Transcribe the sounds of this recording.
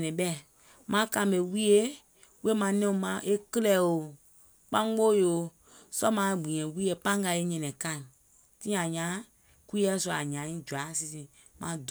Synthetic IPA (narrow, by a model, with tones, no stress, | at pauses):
nɛ̃˨ɓɛ˦˨ | mã˨˦kã˧˨be˨wi˦e˦ | we˦mã˧˨nɛ̃˦ũ˧˦mã˨˦ʔe˦kə˦lɛ˦˨o˨ | k͡pã˦ɡ͡bo˦jo˨ | sɔ˦mã˨˦ɡ͡bĩ˨ɲɛ̃˨wi˦e˦˨pã˦ŋ˦ɡa˧˨e˦ɲɛ̃˨nɛ̃˨kã˦˨ | tĩ˦ã˨ɲã˨˦ | kʷi˦ɛ˦su˧˨a˨ɲã˨˦ĩ˦d͡ʒu˨a˨˦si˧si˨ | mã̰˨˦d